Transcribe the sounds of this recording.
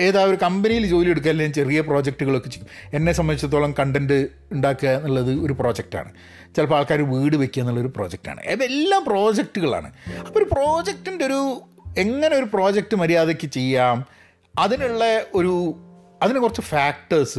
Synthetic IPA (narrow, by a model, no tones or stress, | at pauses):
e̞ːðaːoɾukɐmbenijild͡ʑo̞ːlije̞ɽuk̬ːaːllːemt͡ɕe̞rijɐp̬ro̞ːd͡ʑɐk̚ʈuɣɐɭo̞kːet͡ɕejːume̞nːe̞sɐmːɐnit͡ɕːɐt̪ːoɭɐmkɐɳɖendɨ | uɳɖaːkːɐnːɐɭːɐðɨo̞ɾupro̞ːd͡ʑek̚ʈa̰ːɳɨ̰ | t͡ɕelɐpaːɭkaːɾuʋiːɽɨʋe̞kʲːuɐnːɐɭːɐðoɾupro̞ːd͡ʑek̚ʈa̰ːɳɨ̰ḛelːaːmpro̞ːd͡ʑek̚ʈuɣɐɭa̰ːɳɨ̰ɐpːooɾupro̞ːd͡ʑek̚ʈːindeo̞ɾu | e̞ŋːɐneo̞ɾupro̞ːd͡ʑek̚ʈɨmɐɾijaːðekʲːɨt͡ɕe̞jːaːm | ɐðinuɭːɐo̞ɾu | ɐðinekurɐt͡ɕːɨfaːk̚ʈɐrsɨ